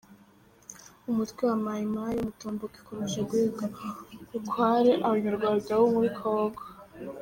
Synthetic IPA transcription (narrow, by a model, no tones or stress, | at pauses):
umutkwewamajimajumutoːmboki̥koɾeʃaɡwiːɡaukwaːɾeʔaβaɲaɾɡwaːtawomuɾikʰoːɡwa